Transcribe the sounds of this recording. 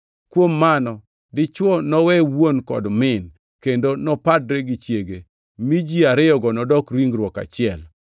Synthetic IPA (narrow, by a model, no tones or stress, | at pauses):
kwomːanɔ | dɪt͡ʃwɔnɔwɛwwonkɔ̰dmɪn | kendonɔpadɾeɡit͡ʃjeɡe | mid͡ʒiaɾɪɔɡɔnɔdɔkɾiŋɾwɔka̰t͡ʃɪɛl